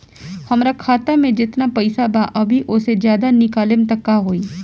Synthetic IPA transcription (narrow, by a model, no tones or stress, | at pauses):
həmɾaːkʰaːt̪amẽd͡ʒɪt̪naːpɐisabaʔɐbʱiʔʊsed͡ʒjaːd̪anɪkaːlɪmt̪əkːaɦoːiː